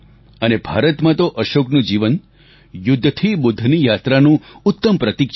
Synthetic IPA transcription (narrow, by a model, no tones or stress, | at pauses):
ənebʱa̰ɾət̪mãt̪oʔəʃoknũd͡ʒiʋən | jʊd̪ʱːt̪ʰibʊd̪ʱːnijat̪ɾanũʊt̪ːəmpɾət̪ikʃ